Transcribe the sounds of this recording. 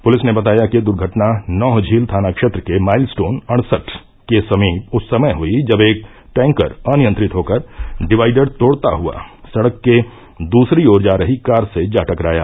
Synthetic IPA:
pʊlɪsnebɐt̪aːjakid̪ʊɾɡʱəʈnanɔːɦd͡ʒʱiːlt̪ʰaːnakʃeːt̪ɾəkemaːɪlsʈoːnɐɽ̃səʈ | kesɐmiːt̪ʊsːɐməjɦʊid͡ʒɐbeːk̚ | ʈɛ̃ːŋkə̰ɾənɪjə̃nt̪ɾɪt̪ɦoːkəɾɖɪʋaːɪɖəɽt̪oːɽt̪a̰ɦua̰sɐɽəkːe | d̪uːsɾioːɾd͡ʒaːɾəɦikaːɾsed͡ʒaːʈəkɾaːja̰ː

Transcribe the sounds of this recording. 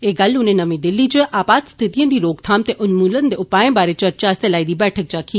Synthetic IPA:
eːɡɐlʊnẽnɐʋẽd̪ɪlːit͡ʃəʔaːpaːt̪st̪ʰɪt̪ijãːd̪iːɾoːkt̪ʰaːmt̪eʔʊnmuːlənd̪eʊpaːẽbaːɾet͡ʃəɾt͡ʃaːst̪elaːid̪iːbɛːʈʰək̚d͡ʒaːkʰiː

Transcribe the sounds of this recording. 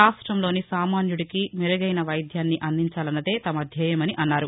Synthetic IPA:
aːsʈɾɐmlo̞ːnisaːmaːnjuɽikimiɾɐɡɐjnɐʋɐjd̪ʱjaːnːiʔɐnd̪iɲt͡ʃaːlɐnːɐd̪e̞ːt̪ɐmɐd̪ʱjɐːjɐmɐniʔɐnːaːɾu

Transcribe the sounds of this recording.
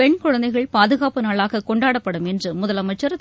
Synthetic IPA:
ɛɳkʊɻɐnd̪ɐɪɣɐɭpaːðɯɣaːpɯnaːɭaːɣɐkɔɳɖaːɽɐpːɐɽɯmɛndrɯmʊðɐlɐmɐɪt͡ʃːɐɾ

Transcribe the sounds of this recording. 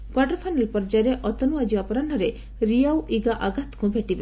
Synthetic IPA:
kwaʈɔɾpʰanelpɔɾd͡ʒaɾeʔɔt̪ɔnuad͡ʒiwapɔɾaɳʈɔɾe | ɾijawʔiɡaʔaɡat̪kubʱeʈibe

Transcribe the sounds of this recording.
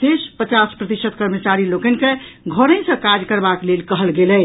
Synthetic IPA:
sespət͡ʃaspɾət̪isəd̪̚kəɾmət͡ʃaɾilokɛnkeɡʱoɾə̃ɪ̃sə̃kad͡ʒkəɾbaklelkəɦəlɡelɛ

